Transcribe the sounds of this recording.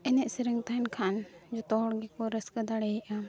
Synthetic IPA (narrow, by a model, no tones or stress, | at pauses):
ɛnɛʔsəɾəŋt̪ankʰand͡ʒɔt̪ɔɽɡɛkɔɾəskəd̪aɽɛiʔa